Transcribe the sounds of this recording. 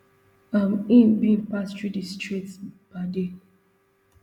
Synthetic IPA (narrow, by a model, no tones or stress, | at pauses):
amĩnbĩnpastɹidistɹiktsb̥ade